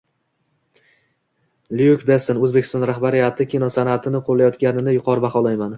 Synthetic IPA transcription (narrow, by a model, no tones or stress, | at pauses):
lijukʲbe̞senɵzbekʲʰɪst̪ɒnɾahbaɾɪjat̪ʰɪkʲʰinɒsanat̪ʰɪnɪqʰolːajɒt̪kʲanɪnɪjʊqʰɒɾɪbaχɒlˠajman